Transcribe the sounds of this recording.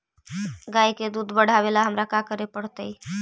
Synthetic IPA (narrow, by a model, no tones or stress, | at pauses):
ɡajked̪ud̪bəɽ̤ʱaβelaɦəmɾakakəɾepəɽ̤t̪əj